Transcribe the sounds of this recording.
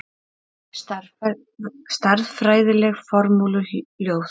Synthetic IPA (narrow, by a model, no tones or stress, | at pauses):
st̪aɾðfɾaːjðɪlɛɣfɔɾmuːlʏljoːwθ